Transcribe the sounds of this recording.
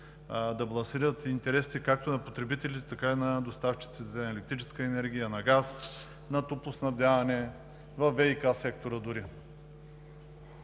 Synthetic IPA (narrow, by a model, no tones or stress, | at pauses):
d̪ɐblˠɐnsiɾət̪int̪ɛɾɛst̪ikak̚t̪onɐpot̪ɾɛbit̪ɛlit̪ɛt̪ɐkainɐd̪ost̪aft͡ʃi̥t̪sit̪ɛnɐɛlɛk̚t̪ɾit͡ʃɛskəɛnɛɾɡ̟ʲijənɐɡas | nɐt̪uplˠosnɐvd̪ʲlʲavɐnɛ | vɐfːɛikasɛk̚t̪oɾəd̪ʊɾi